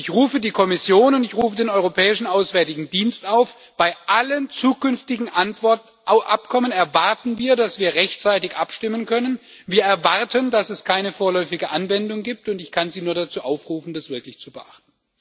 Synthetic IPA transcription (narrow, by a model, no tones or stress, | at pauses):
ʔɪçʁuːfədiːkʰɔmɪsjoːnʊntɪçʁuːfədeːnɔʏʁopʰɛːɪʃn̩aʊsv̥ɛɐtɪɡŋ̩diːnstaʊf | b̥aɪʔalənt͡suːkʏnftɪɡŋ̩a | ʔa̰pkʰɔmənɛɐvaʁtn̩viːɐdasv̥iːɐʁɛçtt͡saɪtɪçʔapʃtɪmənkʰœnən | viːɐɛɐvaʁtʰəndasɛskʰaɪnəfoːɐlɔʏfɪɡəʔanvɛndʊŋɡiːp̚tʊntɪçkʰanziːnuːɐɾat͡suːʔaʊfʁuːfn̩dasv̥ɪɐklɪçt͡subəʔa̰χtn